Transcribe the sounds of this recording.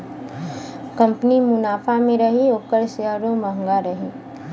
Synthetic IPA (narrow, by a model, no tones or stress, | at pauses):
kɐ̃mpnimʊnaːfʰamẽɾɐɦioːkəɾseɦəɾõməɦŋɡaɾɐɦi